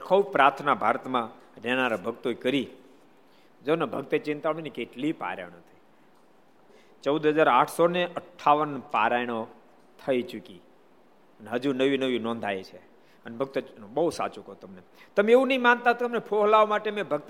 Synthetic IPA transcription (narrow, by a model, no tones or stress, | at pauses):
kʰəwpɾat̪ʰnabʱaɾət̪mãɾenaɾabʱəɡt̪oekəɾi | d͡ʒonebʱəɡt̪et͡ʃɪ̃nt̪aʋəɽ̃inikeʈlipa̰ɾa̰jɽ̃ot̪ʰəi | t͡ʃəwd̪ʱɦəzaɾaʈʰsoneʔəʈʰːaʋənpaɾajɽ̃o | t̪ʰəit͡ʃuki | əneɦəd͡ʒunəʋinəʋĩnɔ̃nd̪ʱajt͡ʃʰe | ənebʱəɡ̚t̪obəusa̰t͡ʃukt̪əmnet̪əmeeʋunəɦĩmant̪aɦt̪oəmnepʰoɦlaomaʈemẽbʱəɡt̪